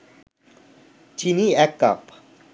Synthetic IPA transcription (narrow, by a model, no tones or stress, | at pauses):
t͡ʃiniɛkːa̰p